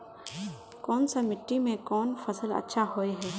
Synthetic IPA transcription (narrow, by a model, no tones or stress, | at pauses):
kɔːnsamɪʈːimẽkɔːnfɐsəlɐ̰tːʃʰaɦoːeɦɛː